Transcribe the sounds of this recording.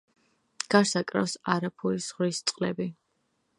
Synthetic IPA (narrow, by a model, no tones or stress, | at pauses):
ɡ̥aɾsakʼɾafsaɾapʰuisʁɾist̪sʼqʼlɛbi